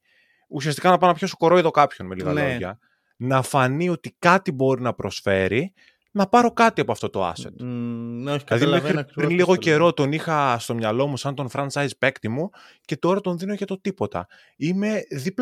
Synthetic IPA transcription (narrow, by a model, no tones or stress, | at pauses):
usiɐst̪i̥kɐnɐpɐnɐpçoso̥ko̞ɾo̞eðo̞kɐpço̞nmeliɣɐ̰oʝɐ̰ | nɐfɐnio̞t̪ikɐt̪ibo̞ɾinɐpɾo̞sfe̞ɾi | nɐpɐɾo̞kɐt̪iɐpoɐft̪o̞t̪o̞ɐ̰set̪noɐðimmexɾipɾinliɣo̞ce̞ɾo̞t̪o̞nixɐst̪o̞mɲɐlo̞musɐnt̪o̞nfɾɐnt͡sɐjzpe̞kt̪imuce̞t̪o̞ɾɐt̪o̞nðino̞ʝɐt̪o̞t̪ipo̞t̪ɐ̰ | ime̞ðip